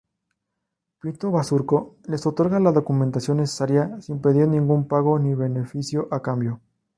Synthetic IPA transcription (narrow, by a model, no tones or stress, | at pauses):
pɾint̪o̞βasuɾko̞le̞so̞t̪o̞ɾɣalaðo̞kume̞nt̪asjo̞nːese̥saɾjasimpe̞ðiɾnĩŋɡumpaɣo̞niβe̞ne̞fisjo̞ʔakambjo̞